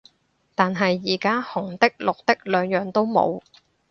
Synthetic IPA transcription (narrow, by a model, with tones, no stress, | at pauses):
t̪aː˨nɦɐ˨jːiː˨˩kaː˥hʊ˨˩ŋt̪ɪ˥k̚lʊ˨k̚t̪ɪ˥k̚lœː˨˧ŋjœː˨ŋt̪o˥wmo̰˨˧w